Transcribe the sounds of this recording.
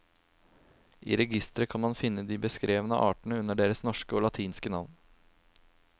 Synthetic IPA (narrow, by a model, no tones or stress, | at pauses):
ʔḭːɾɛɡɪst̪əɾəkʰɑnmɑnfɪnːəd̪iːbəskɾʔeːʋənəʔɑːʈəɳ̩əʉnːəɖeːɾəsnɔʂkəoːlɑt̪ʰiːnskənɑʋn